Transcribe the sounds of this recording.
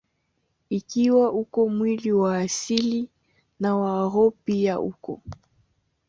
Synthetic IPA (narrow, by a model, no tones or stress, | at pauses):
ikiwaukɔmwiliwaːsili | nawaːɣɔpiaʔṵkɔ̰